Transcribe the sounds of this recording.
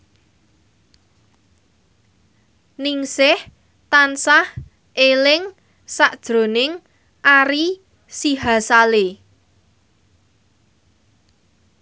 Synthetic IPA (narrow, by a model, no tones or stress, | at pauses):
nɪŋsɪh | t̪ansah | ʔelɪŋ | saʔd̥ʒ̥ɾo̤nɪŋ | ʔaɾi | siɦasale